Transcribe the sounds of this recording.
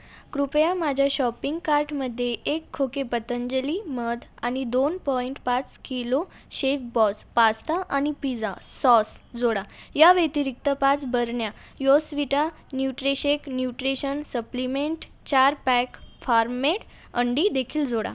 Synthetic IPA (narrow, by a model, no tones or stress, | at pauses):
kɾupjamad͡ʑʱjaɕɔpiŋɡkaɾʈməd̪ʱːjeʔekʰːokepət̪əɲd͡ʑəliməd̪ʱañid̪onpɔiɳʈpat͡skilo | ɕefbɔspast̪aʔañipid͡zaːɔsd͡zoɽajaʋet̪iɾik̚t̪əpat͡sbəɾɳja | jɔsʋiʈa | njuʈɾeɕeknjuʈɾeɕənsəplimeɳʈ | t͡ɕaɾpɛkfaɾmeʈ | əɳɖid̪ekʰiːld͡zoɽa̰